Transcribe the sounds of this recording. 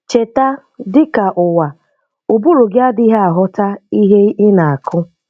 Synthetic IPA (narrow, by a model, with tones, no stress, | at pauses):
t͡ʃe˨ta˦ | dɪ˦ka˨ʔʊ˨wa˨ | u˨bu˦ɾu˨ɡɪ˦a˦di˦ɦe˦a˨ɦʊ˦ta˦i˦ɦe˦ɪ˦na˨a˨kʰʊ˦